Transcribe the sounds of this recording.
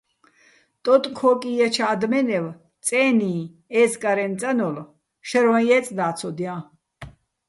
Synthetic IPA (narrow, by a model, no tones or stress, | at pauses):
t̪ʼɔt̪ʼkʰɔkʼijat͡ʃʰaːd̪mɛnɛv | t͡sʼɛːni | ɛːskʼaɾɛnt͡sʼanɔl | ʃɛɾwãjɛt͡sʼd̪aːt͡sʰɔd̪ijã